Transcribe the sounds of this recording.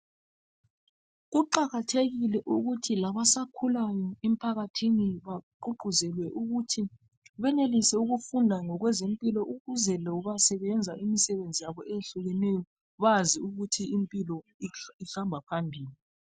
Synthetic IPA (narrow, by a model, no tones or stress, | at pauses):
ɣuǃaɣatʰeɣilɛʔuɣutʰilaβasakʰulajɔem̩pʰaɣatʰiniβaǃuǃʱuzɛlwɛʔuɣutʰi | βɛnelisɛuɣufundʱaŋɔɣwɛzempʼilɔʔuɣuzɛlɛuβasɛβɛnd͡zʱaʔimisɛβend͡zʱijaβɔeɬuɣɛnɛjɔ | βaziuɣutʰiimpʼilɔiɬambʱapʰambʱiːli